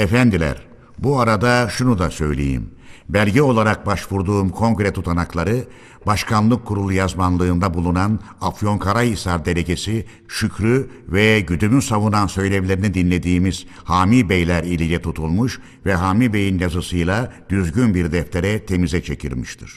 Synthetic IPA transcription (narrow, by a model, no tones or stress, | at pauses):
efænd̪ilʲæ̰ɾ | buaɾad̪aʃunud̪asø̞jlʲe̞̰jḭmbælʲɟɛo̞lˠaɾak̚baʃvuɾd̪uːmkʰo̞ŋɡɾɛt̪ʰut̪ʰanaklˠaɾɯ | baʃkʰanlˠɯkʰːuɾulˠujazmanlˠɯːnd̪abulˠunan | afjo̞ŋkʰaɾaisaɾd̪e̞ɾe̞ɟe̞si | ʃycʰɾy | vɛɟyd̪ymysavunansø̞jlʲe̞vlʲe̞ɾinid̪inlʲe̞d̪iːmiz̥ | haːmibejlʲæɾilʲijɛt̪ʰut̪ʰulˠmuʃ | vɛɦaːmibe̞jinjazɯsɯjlˠad̪̥yzɟynbiɾd̪ɛft̪ʰe̞ɾɛt̪ʰe̞mizɛt͡ʃʰe̞cʰḭɾmiʃt̪ʰɯɾ̥